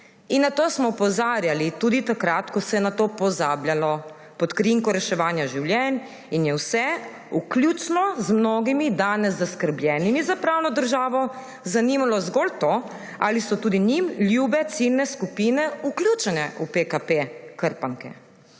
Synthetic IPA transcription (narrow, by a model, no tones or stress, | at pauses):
inːat̪oːsmɔupɔzaːɾjalit̪uːd̪it̪akɾat̪kɔsɛɛnat̪opɔzaːbljalɔ | pɔt̪kɾiŋkɔɾɛʃɛʋaːnjaʒiwljɛn | injɛwsɛ | uklʲjuːt͡ʃnɔzmnoːɡimid̪aːnɛzːaskəɾblʲjɛːnimizapɾaːwnɔd̪əɾʒaːʋɔ | zaniːmalɔzɡolt̪o | a̰lisɔt̪uːd̪iɲimljuːbɛt̪silnɛskupinɛuklʲjuːt͡ʃɛnɛupekapekəɾpaŋkɛ̰